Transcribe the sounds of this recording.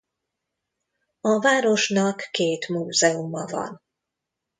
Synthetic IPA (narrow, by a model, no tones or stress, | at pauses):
ɒvaːɾo̞ʃnɒkːeːt̪muːzɛumɒvɒ̰n